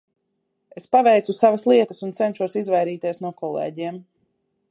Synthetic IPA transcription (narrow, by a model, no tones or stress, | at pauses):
espavɛjt̪susavaslˠiɛt̪ə̥sunt̪sɛnʃuɔsizvajɾiːt̪iɛsnuɔkɔlˠḛːɟiɛm